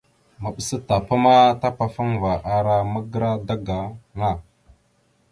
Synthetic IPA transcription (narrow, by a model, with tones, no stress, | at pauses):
ma˨ɓə˨sə˦ta˨pa˦ma˦ta˦pa˨fa˦ŋva˨ʔa˨ɾa˦mə˦ɡə˦ɾa˦da˦ɡa˨na˦˨